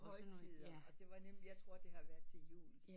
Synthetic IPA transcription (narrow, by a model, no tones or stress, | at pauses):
hɒɪt͡sʰið̰ˠɒ̽d̥e̝ʋɑ̈nemljɑ̈t͡sʰʁo̝ɐ̰d̥e̝ɦɑ̈ʋæɐðˠt͡sʰe̝jṵːl